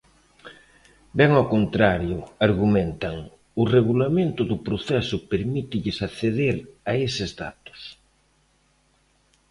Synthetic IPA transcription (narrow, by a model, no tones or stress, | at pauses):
bɛŋawkont̪ɾaɾjʊaɾɣumẽnt̪aŋ | ʊreɣulamẽnt̪ʊðʊpɾoθɛsʊpeɾmit̪ɪʎɪsaθeðeɾaesɪzða̰t̪ʊ̥s